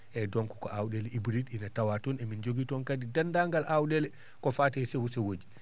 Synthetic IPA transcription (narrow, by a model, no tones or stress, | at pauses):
ʔɛdɔŋkɔ̥kɔawɗɛlɛibɾidinatawatɔnɛmind͡ʒoɡitɔnkadidandaŋɡalʔawɗɛlɛ | kɔfatasewusɛwod͡ʒi